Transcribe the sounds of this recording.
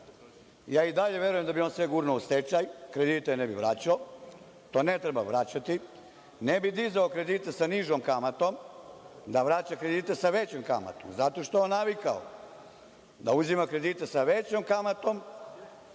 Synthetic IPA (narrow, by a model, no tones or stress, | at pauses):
jaːid̪aʎe̞ʋje̞ɾujemd̪abio̞nsʋeɡuɾnoust̪et͡ʃajkɾe̞d̪it̪enebiʋɾat͡ɕao | t̪oːnet̪ɾebaʋɾat͡ɕat̪i | nebid̪izaokɾe̞d̪it̪esaniʒomkamat̪o̞m | d̪aʋɾat͡ɕakɾe̞d̪iːt̪e̞saʋet͡ɕomka̰ma̰t̪o̰mzat̪o̞ʃt̪oeonːaʋikao̰ | d̪auzimakɾe̞d̪it̪esaʋet͡ɕomkamat̪o̞m